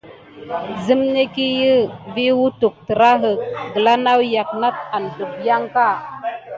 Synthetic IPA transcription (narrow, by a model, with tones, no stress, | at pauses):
zə˦mne˦ki˦jə˦vi˦wu˦tu˨k̚tə˨ɾa˦ɦə˨k̚ɡə˨la˦na˦wja˨k̚na˦t̚a˨n˨du˨kja˦ŋka˦˨